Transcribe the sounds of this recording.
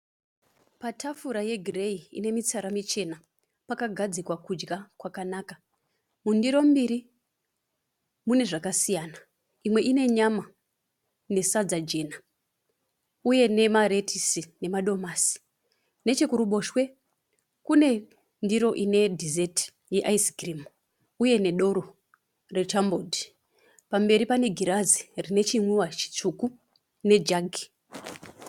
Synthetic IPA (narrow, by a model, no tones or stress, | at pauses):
patʰafuɾaje̞ɡʱireiḭne̞mit͡saɾamit͡ʃe̞na | pakaɡʱad͡zikwakud͡ʒɡakwakanaka | mundiɾo̞mbiɾi | mune̞ʐakasijaːna | imwe̞ʔine̞ɲama | ne̞sad͡zad͡ʒe̞na | uje̞ne̞maɾe̞tʰisine̞maɗo̞masi̥ | ne̞t͡ʃekuɾuɓo̞ʃwe̞ | kune̞ | ndiɾo̞ʔine̞dʱizeti̥ | jeʔaisɡrimu | uje̞ne̞ɗo̞ɾo̞ | re̞t͡ʃambo̞dʱi | pambe̞ɾipane̞ɡʱiɾazirine̞t͡ʃimwuwat͡ʃi̥t͡ʂuku | ne̞d͡ʒaɡʱi